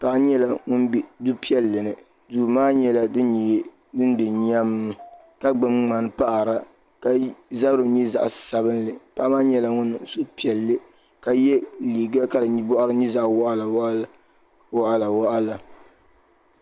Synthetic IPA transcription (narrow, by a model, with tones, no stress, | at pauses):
pa˨ʔa˦ɲɛ˦la˨ŋʊ˦nbi˨du˦pi˦ɛ˦lːɨ˨nɨ˨ | duː˨maː˦ɲɛ˦la˦dɨ˦˨˦ | dɨ˦n˦dɨ˨ɲa˦m˦ | ka˦ɡ͡bɨ˨mŋ͡ma˨n˦pa˦ʔa˨ɾa˦ | ka˨za˦bɾɨ˨˦ɲɛ˦za̰˨ʔssa˨bɨ˦nlɨ˨pa˦ʔa˦maː˦ɲɛ˦la˨ŋʊ˦n˨su˦pi˨ɛ˨lːɨ˦ | ka˨jɛ˦liː˨ɡa˦ka˦dɨ˨ɲ˦bɔ˦ʔa˦ɾɨ˦ɲi˦za˦ʔwʔa˦la˨˦ | wɔ˦ʔa˦˨la˨wɔ˦ʔa˦la˨